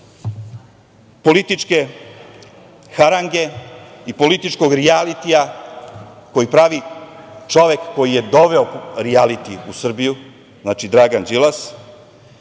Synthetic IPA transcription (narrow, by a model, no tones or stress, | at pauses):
po̞lit̪it͡ʃke̞ | xaɾaŋɡe̞ipo̞lit̪it͡ʃkoɡɾialit̪ija | ko̞jipɾaʋit͡ʃo̞ʋjekːo̞jije̞d̪o̞ʋe̞oɾialit̪iusr̩biju | znaːt͡ʃid̪ɾaːɡand͡ʒilˠas